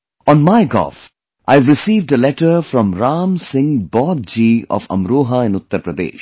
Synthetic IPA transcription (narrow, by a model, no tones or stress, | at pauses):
ɔ̃nmaɪɡɔ̰lf | ʔaɪʋɾɪsiːʋɖəlɛʈəɾfɾɔ̃mɾaːmsɪ̃ŋbɔd̪̚d͡ʒiːɔ̰fə̰̃mɾoːɦaɪ̃nʊt̪ːəɾpɾəd̪ḛːʃ